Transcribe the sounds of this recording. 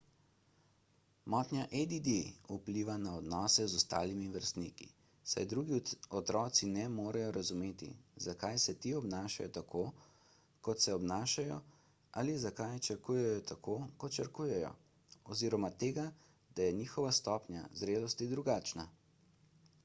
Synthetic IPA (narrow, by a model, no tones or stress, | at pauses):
mɔːt̪nʲjaʔed̪id̪iupliːʋanaɔd̪nɔːsɛzɔst̪a̰ːlimiʋəɾst̪nikḭ | sa̰jd̪ɾuːɡiɔt̪ɾɔːt̪sinɛmoːɾajɔɾazumeːt̪ḭzakajsɛt̪iɔbnaːʃa̰jɔt̪akʰo | kɔt̪sɛɔbnaːʃajɔ | alizakajt͡ʃɐɾkuːjɛjɔt̪ʰakokɔt̪t͡ʃɐɾkuːjɛjɔ̰ | ɔziːɾɔmat̪eːɡa | d̪ajɛniːxɔʋast̪ɔːpɲʲja̰zɾeːlɔst̪id̪ɾuɡaːt͡ʃna